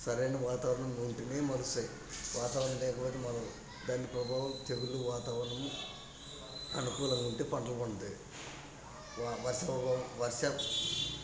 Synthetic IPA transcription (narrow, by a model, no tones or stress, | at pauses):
sɐɾejnɐʋaːt̪aːɾɐɳɐmuɳʈineːmɐlusɐ | ʋʔaːt̪aːʋɾɐɳɐmlɛːkɐpoːt̪emɐlɐ | d̪aːnːipɾɐbʱaːʋɐmt̪eɡuluʋaːt̪aːʋɾɐɳɐmu | ɐ̰nukuːlɐŋɡɐuɳʈeːpɐɳɖɐlɐkonɐd̪i | ʋʋɐɾʃɐʋɐɾʂɐ